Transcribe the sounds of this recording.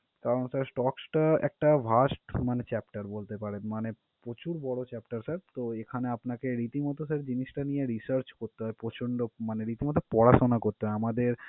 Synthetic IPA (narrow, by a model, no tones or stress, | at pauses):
kaɾonsaɾsʈɔksʈaɛ̰k̚ʈabʱaʃʈmanet͡ɕɛpʈaɾbolt̪epaɾenmane | pɾot͡ɕuɾbɔɽot͡ɕɛpʈaɾsaɾt̪oekʰaneapnakeɾit̪imɔt̪osaɾd͡ʑiniʃʈanijeɾisaɾt͡ɕkoɾt̪ːeɦɔepɾot͡ɕʰoɳɖomaneɾit̪imɔt̪opɔɽaʃonakoɾt̪ːeɦɔeamad̪eɾ